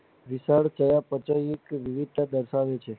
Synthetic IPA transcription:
ʋɪsaɽt͡ʃəjapət͡ʃəiekʋɪʋɪd̪̚t̪ad̪əɾsaʋet͡ʃʰe

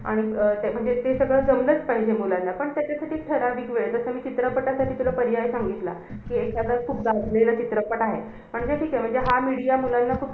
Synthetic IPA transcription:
a̰ɽ̃it̪m̤əɳd͡zet̪esəɡɭəd͡zəmlət͡spaɦid͡ʑemulanːapəɳt̪jat͡ɕasaʈiːʈʰəɾad̪iɡʋeɭt̪əsəːmiːt͡ɕit̪ɾəpəʈasaʈʰiːt̪ulapəɾijajsaŋɡit̪la̰ | kiːekad̪əɾkʰuːp̚d̪ad͡zlelət͡ɕit̪ɾəpəʈaɦe | m̤əɳd͡zeʈʰiːkam̤əɳd͡zeɦamiɽijamulanːakʰuːp

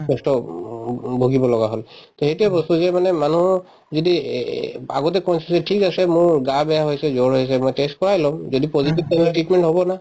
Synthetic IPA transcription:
kɔstɔ | bʱoɡibɔlɔɡaɦolt̪ɔxetuɛbɔstuzɛmanɛmanuɔ | zodi | a̰ɡɔtɛkɔnszɛʈʰikasɛmʊɹɡabɛjaɦojsɛzoɹɦojs̬ɛmɔjtest̚kɔɹajlɔmzodipɔzitib̚tamiʈɹitmɛnʈɦobɔna

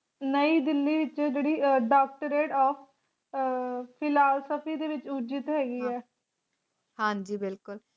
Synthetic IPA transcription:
nəiːd̪ɪlːiːʋɪt͡ʃɛd͡ʒeːɽiːɖaːk̚ʈəɾeːʈɔːpʰ | pʰɪlaːsəpʰiːd̪eːʋɪt͡ʃud͡ʒɪt̪ɦɛːɡiːɛː | hãːd͡ʒiːbɪlkʊl

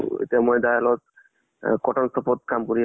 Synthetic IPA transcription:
ḛt̪emojd̪ajalɔt̪̚ | kɔʈansɔpɔt̪̚kamkoɾi

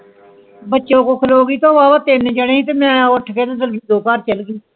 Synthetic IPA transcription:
bətːʃõːkoːkʰəloːɡiːt̪õːʋaːbat̪eːnẽːt͡ʃaɽẽːĩːt̪eːmɛ̃ːoːɾʈʰəkeːt̪ːd̪əlid̪oːkaːɾt͡ʃəlɡiː

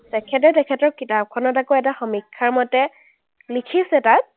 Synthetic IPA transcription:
tɛkʰɛt̬ɛtɛkʰɛtɔɹkitap̚kʰɔnɔtakoɛtaxɔmikʰːaɹmɔtɛ | likʰisɛtat̚

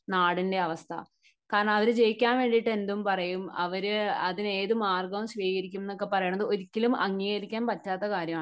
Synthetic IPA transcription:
naːɽinde̞ɐʋɐst̪ʰɐ̰ | kaːɾɐɳɐmɐʋɐɾɨt͡ɕe̞jikʲːaːnʋe̞ːɳɖiʈːe̞nd̪umpɐrɐjumɐʋɐɾɨɐðine̞ːðumaːrɡɐʋumɕʋiːɣɐɾikʲːumenːokːe̞pɐrɐjeːɳːɐðɨo̞ɾikʲːilumɐŋːijɣɐɾikʲːaːnpɐtːaːt̪ːɐkaːɾjɐmaː

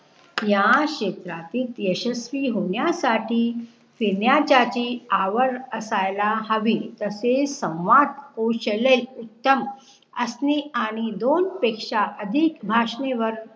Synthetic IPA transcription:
jaɕet̪ɾat̪iːt̪jəɕəsʋiːɦoɳjasaʈiː | finjat͡ɕat͡ɕiːaʋəɾəsajlaɦəʋiːt̪əsesə̃wʋat̪̚koɕəlelut̪ːəm | əsniaɽ̃id̪onpekʂaʔəd̪ʱikbʱaʂneʋəɾ

